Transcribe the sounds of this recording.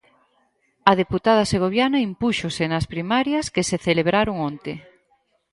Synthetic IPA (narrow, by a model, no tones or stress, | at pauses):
ɐð̞eput̪að̞ɐseɣ̞oβjanɐimpuʃosenɐspɾimaɾjɐskeseθeleβɾaɾoŋont̪e